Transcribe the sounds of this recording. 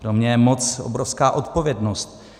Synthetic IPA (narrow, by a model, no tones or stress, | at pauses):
pɾomɲɛjɛmot͡sʔo̰bɾofskaːʔot̪povjɛdnost̪̚